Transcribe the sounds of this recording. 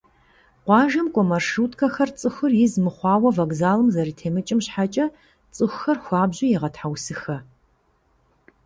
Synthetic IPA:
qʷɑːʒɐmkʷʼɔmɐrʂuːtʼkʰɐxɐrt͡sʼɨxʷɨrjɪzmɨχʷɑːwɐvɐɡzaːlɨmzɐɾiːtʰeːmɨt͡ʃʼɪmɕħat͡ʃʼɐ | t͡sʼɨxʷxɐrxʷɑːbʑɪjɛʁɐtħawsɨxɐ

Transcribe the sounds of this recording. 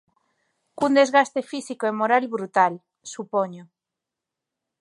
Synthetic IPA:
kund̪e̞zɣast̪e̞fisikoemo̞ɾalβɾut̪al | supoɲo

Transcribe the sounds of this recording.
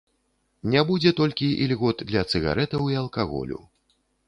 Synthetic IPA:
nʲabud͡zʲɛt̪ɔlʲkʲiʔilʲɣɔd̪d̪lʲɐt̪sɨɣa̰ɾɛt̪ɐwiɐlˠkaɣɔ̰lʲṵ

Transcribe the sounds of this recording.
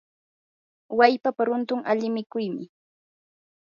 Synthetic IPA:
wajpapaɾʊnt̪ʊŋaʎɪmɪkʊjmɪ

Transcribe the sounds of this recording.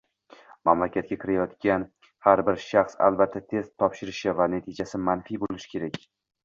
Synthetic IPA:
mamlakʲʰat̪̚kʲakʲʰɪɾajɒt̪kʲan | haɾbɪɾʃaχsa̰lˠbat̪ʰːat̪ʰe̞st̪ʰːɒpʃɪɾɪʃɪvanet̪ʰid͡ʒasɪmanfijbolɪʃɪ̥kʲʰe̞ɾakʲ

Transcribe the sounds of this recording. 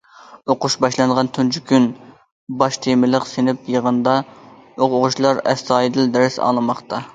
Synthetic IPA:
oqʊʃbɑʃlˠɑnʁɑnt̪ʰunt͡ʃʰykʲyn | bɑʃt̪ʰemɪləqsenɪpjəʁənd̪ɑ | ooʁʊʃlˠɑɾɛ̰st̪ɑːid̪ɪld̪æɾɪsɑ̰lˠɨmɑχt̪ɑ

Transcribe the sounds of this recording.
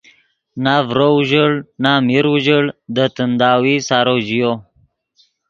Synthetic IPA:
navɾouʒəɭnamiɾuʒəɭd̪ət̪ənd̪aːwisaːɾod͡ʑijo

